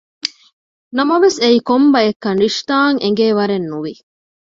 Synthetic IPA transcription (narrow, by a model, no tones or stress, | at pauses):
nɐmɐʋeseiːkombɐekːɐnɾiʂt̪aːŋʔeŋɡeːʋɐɾenːuʋi